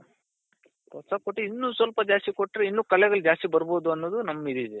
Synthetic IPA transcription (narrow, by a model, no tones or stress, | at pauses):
kɔsɐkoʈːiinːuːsʋɐlpɐd͡ʒaːst̪ikoʈːɾeinːuːkɐɭɛɡɐɭd͡ʒaːst̪ibɐɾbo̞ːd̪uɐnːod̪unɐmːid̪id̪e